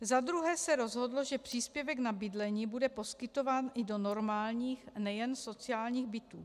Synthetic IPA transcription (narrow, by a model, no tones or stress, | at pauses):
zadɾuɦɛːsɛɾo̞zɦodloʒɛpr̥iːspjɛvɛɡnabɪdlɛɲiːbudɛpo̞skɪt̪o̞vaːnʔɪdo̞no̞ɾmaːlɲiːxnɛjɛnso̞t͡sɪaːlɲiːɣbɪt̪uː